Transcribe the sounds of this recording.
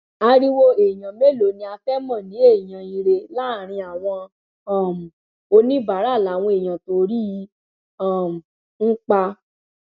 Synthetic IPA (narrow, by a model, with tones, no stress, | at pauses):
a˧ɾi˦wo˧e˨jã˨me˦˨lo˨˦nĩ˧˦a˧fɛ˦mɔ̃˦˨nĩ˨˦e˦˨j̃ã˨i˧ɾe˧la˦˨ɾ̃ĩ˧a˨w̃ɔ̃˧˦˨ | m̩˨ | o˧nĩ˦ba˨˦ɾa˦˨la˨˦˨w̃ɔ̃˧e˨j̃ã˨to˧ɾi˦ | ɔ˦˨m̩˨ | ŋ̩˦k͡pa˧